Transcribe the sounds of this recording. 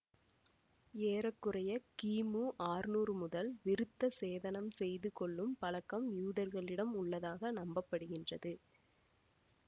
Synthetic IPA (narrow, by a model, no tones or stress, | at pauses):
eːɾɐkːɯrɐjɐkiːmuːʔaːrnuːrɯmʊðɐlʋɪɾɯt̪ːɐseːðɐnɐmsɛjðɯkɔɭːɯmpɐlɐkːɐmjuːðɐɾɣɐɭɪɽɐmʊɭːɐðaːɣɐnɐmbɐpːɐɽɯɣɪndrɐðɯ